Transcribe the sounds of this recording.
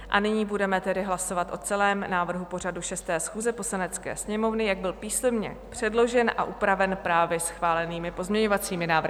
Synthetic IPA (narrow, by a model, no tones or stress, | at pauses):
ʔa̰nɪɲiːbudɛmɛt̪ɛdɪɦlaso̞vat̪ʔo̞t͡sɛlɛːmnaːvr̩ɦupo̞r̝aduʃɛst̪ɛːsxuːzɛpo̞slanɛt͡skɛ̰ːsɲɛmo̞vnɪjaɡ̚bɪlpiːsɛmɲɛ̰ | pr̝̥ɛdlo̞ʒɛnʔa̰ʔupɾavɛnpɾaːvjɛsxvaːlɛniːmɪpo̞zmɲɛɲo̞vat͡siːmɪnaːvr̩ɪ